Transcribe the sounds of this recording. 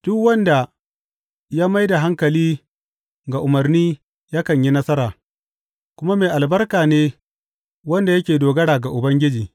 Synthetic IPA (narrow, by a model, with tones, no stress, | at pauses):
d̥ʊ˦kwɐ˦nda˨ | jaː˦ma˦jda˨ɦa˦ŋkɐ˨liː˦ | ɡa˨ʔʊ˨mɐ˨rniː˦ | ja˦kɐ˨ɲji˦nɐ˦sɐ˦ɾaː˨ | kʷʊ˦ma˦meː˨ʔa˨lbɐ˦rkaː˨neː˦ | wɐ˦nda˨jɐ˦kʲeː˨doː˨ɡɐ˦ɽaː˨ɡa˨ʔʊ˨bɐ˦ŋɡʲɪ˦d͡ʒiː˨